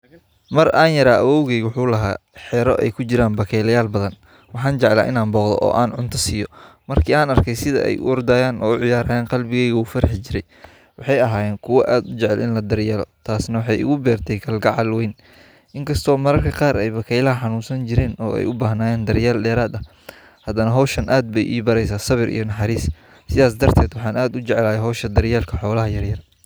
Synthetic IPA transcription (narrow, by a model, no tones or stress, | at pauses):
mɐraːnjɐɾaːʔɐwɔːwɣɛɣwħuːlɐɦa̰ːħɛːɾɔʔɛ̰jkʰʊt͡ʃɪɾaːnbɐkʰɛjlɐjaːlbɐðɐn | wɑħɑːnt͡ʃɛʕla̰ːʔɪ̰naːnbɔːqðɔ̰ʔɔ̰ːʔaːnʕʊnt̪ʰɐsiːjɔmɐrkʰiːaːnɐrkʰɛjsɪðɐ̰ʔɛ̰jʔʊ̰ɔrd̪aːjaːnɔ̰ːʊʕɪjaːɾaːjɛːnqɑlbɪɣɛjɣɐuːfɐɾɐħt͡ʃɪɾɛj | wɑħɑjɐɦaːjɛːnkʰʊwɐʔaːd̪ʊt͡ʃɛʕɛlʔɪ̰nlɐd̪ɐrjɐlɔ̰t̪ʰaːsnɐwɑħɑjʊ̰ɣʊbɛːrt̪ʰɛjkʰɐlɡɑʕɑlwɛjn | ʔɪŋkʰɐst̪ʰɔːmɐɾɐrkʰɐqɑːɾʔɛjbɐkʰɛjlɐɦɐħɑnuːnsɐnt͡ʃɪɾɛːnɔ̰ːɛ̰jʊbaːɦnaːjɛːnd̪ɐrjaːlɗɛːɾaːd̪ɐ | hɐd̪ɐnɐɦɔːʃɐnʔaːd̪̚bɛjʔḭːbɐɾɛjsaːsɐβɪɾʔḭjɞnɐħɑɾiːs | sɪðaːs̬d̪ɐrt̪ʰɛːd̪wɑħɑːnaːd̪ʊt͡ʃɛʕɛlaːjɛɦɔːʃɐd̪ɐɾjaːlkʰɐħɔːlɐɦɐjɐrjɐr